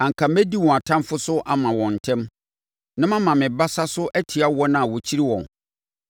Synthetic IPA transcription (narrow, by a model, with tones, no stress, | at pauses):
ã˨ŋ̩˨kʰã˨mæ˦di˦wɔ̃˨a˨tʰã˦mfʊ˦sʊ˦ʔa˦mã˨wɔ̃˨n̩˨tʰɛ̃˦m | nã˦mã˦mã˨mɪ̃˨ba˦sa˦sʊ˦ʔæ˦tʰɪ˨a˦wɔ˦nã˦a˨wɔ˨t͡ɕʰi˦ɾi˦wɔ̰̃˨n